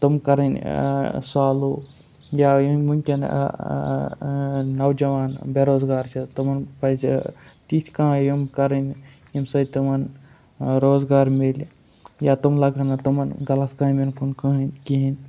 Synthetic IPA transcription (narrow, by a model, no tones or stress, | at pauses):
t̪umkɐɾɐn | saːlu | jajimunkʲɐn̰ | nɐwd͡ʒɐʋaːnbeɾoːzɡaːɾt͡ʃʰɐt̪umɐnpɐsḛt̪it̪ʰkãːjimkɐɾɐn | imsɐjt̪umɐn | ɾoːzɡaːɾmel | jaːt̪umlɐɡanɐt̪umɐnɡɐlɐt̪kaːmenkunkəɦinkiɦin